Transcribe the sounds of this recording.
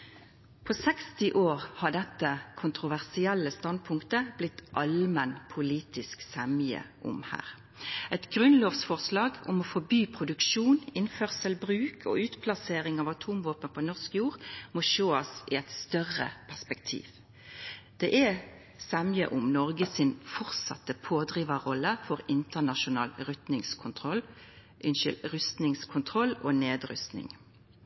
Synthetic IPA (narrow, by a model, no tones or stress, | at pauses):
pʰɔsɛkst̪ɪʔoːʁhɑɖɛt̪ːəkʰʊnt̪ʁʊʋæʁsɪɛlːəst̪ɑnd̪̚pʰʊŋkt̪əb̥lɪt̪ʔɑlmənpʰʊliːt̪ɪsksɛmjə̰ʔʊ̰mhæ̰ːʁ | ɛt̪ɡʁʉnloːʋsfɔʁslɑːɡʊ̰mɔfɔbyːpʰʁʊd̪ʉkʃuːnɪnfœʁsəlbʁʉːkʰɔ̰ʉːt̪pʰlɑseːɾɪŋɑːʋɑt̪ʰuːmʋoːpənpʰɔnɔʁskjuːʁmɔʃoːɑsɪɛt̪st̪œʁə̰pʰæʁspɛkt̪ʰḭːʋ | d̪̥ɛːʔɛ | sɛmjə̰ʔʊmnɔʁɡəsɪnfɔʁt̪sɑ̰t̪əpʰoːd̪ʁiːʋəʁɔlːəfɔʁɪnt̪ənɑʃʊnɑ̰ːlʁʉt̪nɪŋskʰʊnt̪ʰʁɔl | ʔɪnʃʏlʁʉst̪nɪŋskʰʊnt̪ʰʁɔlːoːneːd̪ɾʉ̰st̪nɪ̰ŋ